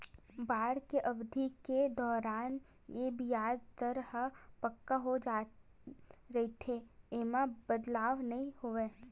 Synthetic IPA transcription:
baːɽkeʔɐʋd̪ʱiked̪ɔːɾaːn | jebʱijaːd͡ʒt̪əɾɦpɐkːaɦod͡ʒa | ɾɐɦit̪ʰeeːmãbəd̪laːʋnɐɦĩhoʋeː

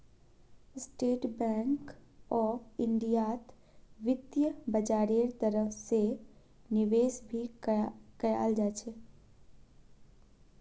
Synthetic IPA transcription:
sʈeːʈbɛ̃ːŋkɔːfɪɳɖijaːt̪ | ʋɪt̪jəbəd͡ʒaːɾiəɾt̪əɾəfse | nɪʋeːsbʱi | kɐja̰ld͡ʒat͡ʃʰe

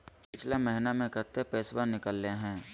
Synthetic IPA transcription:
pɪt͡ʃʰlamɛɦɪnamẽkəɾt̪epeːswanɪkəlːeɦɛ̃ː

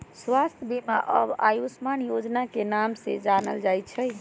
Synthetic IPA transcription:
swast̪ʰjəbimaʔə̰ba̰jusmanjod͡ʒnakenamsḛd͡ʒanəld͡ʒajt̪t͡ʃʰəj

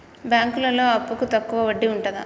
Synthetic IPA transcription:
bjaːŋkulɐlo̞ːɐpːukut̪ɐkːuʋɐʋɐɖːiuɳʈɐd̪ɐ̰

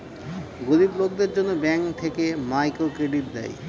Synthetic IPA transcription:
ɡod̪iblok̚d̪eɾd͡ʑonːobɛŋkt̪ʰekemajkokɾeɖit̪̚d̪ɛ̰j

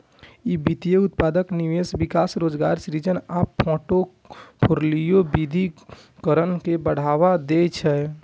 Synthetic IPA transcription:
ibit̪ijeut̪pad̪əkniʋesbikasɾod͡ʒɡaɾsɾid͡ʒənapʰõʈo | kʰoɾlijobid̪ʱi | kəɾənkebəɽ̤aʋad̪et͡ʃʰɛ

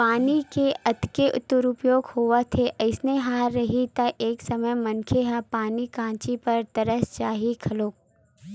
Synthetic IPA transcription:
paːnikeʔɐt̪keʔʊ̰t̪ːʊɾʊpjoːɡhoːʋat̪ʰeʔɐɪsneɦaːɾːɐɦit̪aʔeːksɐməjmɐnkʰeɦapaːnikãːt͡ʃipɐɾt̪ɐɾəst͡ʃaːɦikʰɐloːk̚

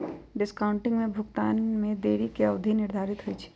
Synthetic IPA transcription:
ɖɪskaːʊ̃ɳʈɪ̃ŋɡmẽbʱʊɡt̪a̰ːnmẽd̪eːɾikeəʋd̪ʱinɪɾd̪ʱaːɾɪt̪ɦʊit͡ʃʰi̥

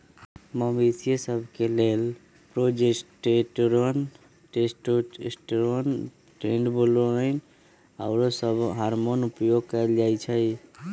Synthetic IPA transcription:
məmisiesəbʱkelel | pɾod͡ʒesʈeʈɾon | ʈesʈoḛsʈɾon | ʈɾeɳɖbolon | aʊɾosəbɦaɾmonupjoɡ̚kajld͡ʒajt͡ʃʰəj

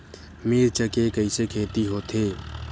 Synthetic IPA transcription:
meːɾt͡ʃəkekəisekʰeːt̪iɦoːt̪ʰeː

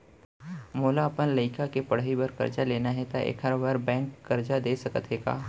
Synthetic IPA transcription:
moːlaɐpənləɪkakepɐɽ̤ɦibɐɾkɐ̰ɾd͡ʒaleːnaɦɛt̪aʔḛːkʰɐɾʋaɾbɛ̃ːŋkːɐɾd͡ʒad̪eːsɐkət̪ɦeːɡa̰ː

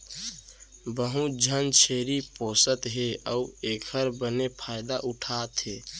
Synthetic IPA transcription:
bəɦũd͡ʒʱənt͡ʃʰeɾiposət̪ɦeəuekʰəɾbənepʰaɪd̪aʔuʈʰat̪ɦe

